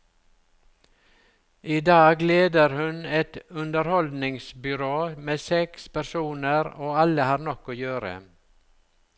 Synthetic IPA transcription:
ʔiːd̪ɑːɡleːd̪əɾhʉnɛt̪ʉnd̪əɾhɔld̪nɪŋsbʏɾoːmeːsɛkspæɾsuːnəɾoːɑləhɑːɾɳɔkːoːjøːɾə̰

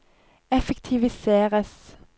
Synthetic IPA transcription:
ɛfɛkt̪ʰɪʋɪseːʁəs

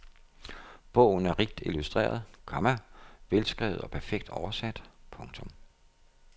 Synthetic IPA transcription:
b̥ɔ̰ʊ̰n̩æɐʁiɡ̥̚d̥ilusd̥ʁḛːɐð̞ˠkʰɒmæʋelsɡ̥ʁɛ̰ːʊð̩ˠɒ̽pʰæɐfeɡ̥̚d̥ɒʊɐsæd̥pʰɔ̽ŋt͡sʰɔ̽m

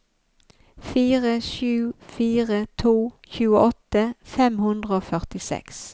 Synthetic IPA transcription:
fiːʁəʃʉːfiːʁət̪ʰuːçʉːəʔɔt̪əfɛmhʉnd̪ʁəoːfœʁt̪ɪsɛ̰ks

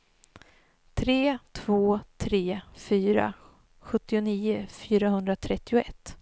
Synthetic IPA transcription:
t̪ʰɾeːt̪ʰv̥oːt̪ʰɾeːfyːɾa̰ | ɧɵt̪ːɪʊniːʊfyːɾaɦɵnd̪ɾat̪ʰɾɛt̪ːɪʊɛt̪ː

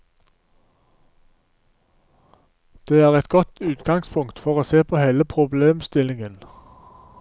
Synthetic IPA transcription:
d̪̥eːæːʁɛt̪ɡɔt̪ʉːt̪ɡɑŋspʰʊŋkt̪fɔʁoːseːpʰoːheːləpʰʁʊbleːmst̪ɪlɪŋən

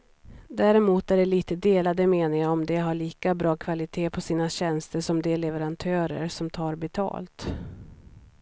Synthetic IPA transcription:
d̪æɾɛmuːt̪æɖɛliːt̪əd̪eːlad̪əmeːnɪŋaɔmd̪ɛɦaɭiːkabɾɑːkʰvalɪt̪ʰeːpʰɔsiːnaɕɛnst̪əʂɔmd̪ɛlɛvɛɾant̪ʰœːɾə̰ɾsɔmt̪ʰɑːɾbɛt̪ʰɑ̰ːlt̪

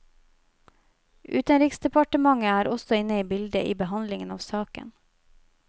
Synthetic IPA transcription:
ʔʉ̰ːt̪ənɾɪːksd̪ɛpɑʈəmɑŋəæːɾɔsɔɪnəiːbɪld̪əʔḭːbəhɑnlɪŋənɑːʋsɑːkə̰n

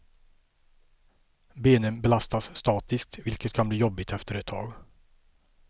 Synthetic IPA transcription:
beːnənbɛlast̪asːt̪ɑːt̪ɪsk̚t̪vɪlkət̪kʰanbliːjɔbːɪt̪ʰɛft̪əɾɛt̪ʰːɑ̰ːɡ

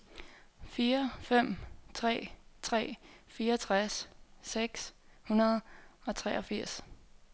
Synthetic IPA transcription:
fiːɐfem̰t͡sʰʁɛ̰ːt͡sʰʁɛ̰ːfiːɐɒt͡sʰʁasːeɡ̥shunɐð̞̩ˠɒ̽t͡sʰʁɛːʔɒ̽fiɐ̰s

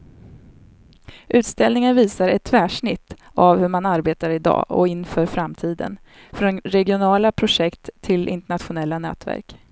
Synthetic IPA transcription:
ʔʉ̟ːt̪st̪ɛlnɪŋənviːsaɾɛt̪ʰːvæːʂɳɪt̪ʰː | avhɵɾmanaɾbeːt̪aɾɪd̪ɑ̰ːɔ̰ɪnːfœːɾfɾamt̪ʰiːd̪ə̰n | fɾɔnɾɛɡɪʊnɑːlapʰɾʊʂɛkt̪ʰːɪlʔɪ̰nt̪ɛɳat̪ɧʊnɛlːanɛ̰ːt̪væ̰ɾk

